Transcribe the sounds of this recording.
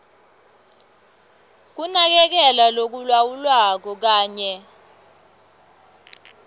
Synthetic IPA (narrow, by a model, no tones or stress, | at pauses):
k̬unak̬ɛk̬ɛlalok̬ulwawulwak̬ɔk̬aːɲɛ